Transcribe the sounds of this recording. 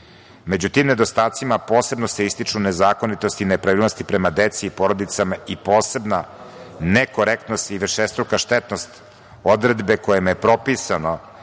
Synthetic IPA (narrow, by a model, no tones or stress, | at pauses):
med͡ʑut̪iːmne̞d̪o̞st̪aːt̪simapo̞ːse̞bno̞seist̪it͡ʂune̞zaːko̞nit̪o̞st̪inepɾaʋiːlno̞st̪ipɾemad̪et̪siːpo̞ɾod̪it̪samaipo̞ːse̞bna | neko̞ɾekt̪nost̪iʋr̩ʃest̪ɾukaʃt̪et̪nost̪ | o̞d̪ɾe̞d̪bekojemepɾo̞pisano